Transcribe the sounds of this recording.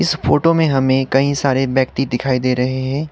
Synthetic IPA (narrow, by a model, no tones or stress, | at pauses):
ɪsfoːʈomẽɦɐmẽkɐɦĩsaːɾebjɛːkt̪id̪ɪkʰaːid̪eːɾɐɦeɦɛ̃ː